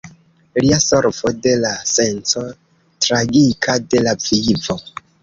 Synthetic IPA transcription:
liasoɾfode̞lase̞nt͡so̞ | tɾaɡikʰade̞lav̥ivo̞

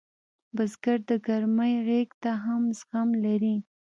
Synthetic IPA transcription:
bazɡaɾd̪əɡaɾməjɣekt̪aɦamzxamlaɾi

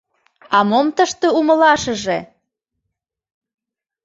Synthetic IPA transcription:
ɑmomt̪əʃt̪euməlɑʃə̆ʒe

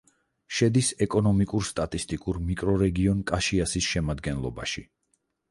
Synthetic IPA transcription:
ʃɛd̪isɛkʼɔnɔmikʼuɾst̪ʼat̪ʼist̪ʼikʼuɾmikʼɾɔɾɛɡiɔnkʼaʃiasisʃɛmad̪ɡɛnlˠɔ̰ba̰ʃi

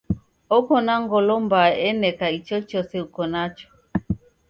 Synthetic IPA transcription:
ɔkɔnaŋɡɔlɔmbaɛnɛkait͡ʃɔt͡ʃɔsɛukɔnat͡ʃɔ̥

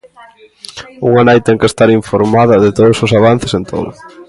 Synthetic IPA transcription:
uŋanajt̪ɛŋkest̪aɾiɱfoɾmaðɐðɪt̪oðʊsʊsaβ̞an̟θɪsent̪ʰo̰ðʊ̰

